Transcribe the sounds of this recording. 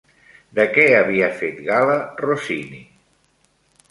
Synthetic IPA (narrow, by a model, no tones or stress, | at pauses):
d̪əkɛəβiafet̪ɣalərosinḭ